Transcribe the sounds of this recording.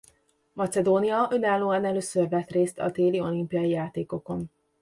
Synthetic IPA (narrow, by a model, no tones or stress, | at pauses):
mɒt̪sɛd̪oːnijɒʔø̞naːlːoːɒnɛløːsørvɛt̪reːst̪ʰɒ̰d̪eːlio̞limpijɒjijaːt̪eːko̞ko̞n